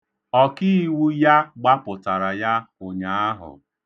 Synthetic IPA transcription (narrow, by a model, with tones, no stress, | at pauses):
ɔ˦kɪ˦i˦wu˦ja˦ɡ͡ba˦pʊ˨ta˨ɾa˨ja˦o˨ɲa˨a˦ɦʊ̰˨